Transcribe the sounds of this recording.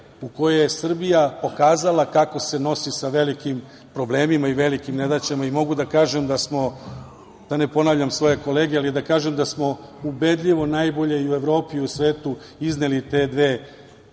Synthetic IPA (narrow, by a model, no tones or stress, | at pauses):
uko̞jejesr̩bijapo̞kaːzalakako̞se̞no̞sisaʋe̞likim | pɾo̞ble̞ːmimaiʋe̞likimned̪at͡ɕemaimo̞ɡud̪akaːʒemd̪asmo̞ | d̪̥ane̞po̞navʎʲamsʋo̞je̞ko̞leːɡealid̪akaːʒemd̪asmo̞ube̞d̪ʎiʋo̞najbo̞ʎe̞iue̞ʋɾo̞ːpiusʋe̞ːt̪u | iznelit̪e̞d̪ʋe̞ː